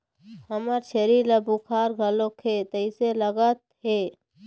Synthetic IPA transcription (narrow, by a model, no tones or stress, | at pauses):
həməɾt͡ʃʰeɾiləbukʰaːɾɡʱəlokʰet̪əɪseləɡət̪̚ɦe